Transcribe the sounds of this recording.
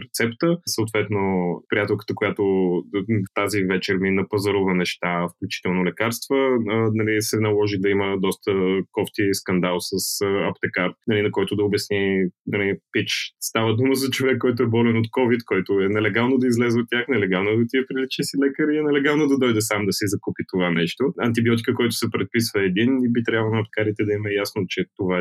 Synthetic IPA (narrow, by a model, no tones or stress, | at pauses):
ɾɛt̪sɛpt̪əsəʊt̪vɛt̪nopɾijat̪ɛlˠkə̥t̪əkojat̪o | ft̪azivɛt͡ʃɛɾminəpɐzɐɾʊvənɛʃt̪afklʲut͡ʃi̥t̪ɛlˠnolɛkaɾst̪vənɐlisɛnɐlˠɔʒid̪ɐiməd̪ɔst̪əkɔft̪iskɐnd̪alˠsəsɐpt̪ɛkaɾt̪nɐlinɐkɔjt̪ʊd̪ɐobʲjɐsninɐlipit͡ʃst̪avəd̪uməzɐt͡ʃovɛkːɔjt̪̬ʊɛbɔlɛnot̪kɔvit̪kɔjt̪oɛnɛlɛɡalˠnod̪ɐizlɛzɛot̪ʲːjaxnɛlɛɡalˠnod̪ɐt̪iɛpɾilit͡ʃisilɛkəɾiɛnɛlɛɡalˠnod̪ɐd̪ɔjd̪ɛsamd̪ɐsizɐkupit̪ovanɛʃt̪oɐnt̪ibiɔt̪̬i̥kəkɔjt̪ʊ̥sɛpɾɛt̪̚pisvəɛd̪inibit̪ɾʲabvlˠonɐp̚t̪ɛ̥kaɾit̪ɛd̪ɐimɛjasnot͡ʃɛt̪ova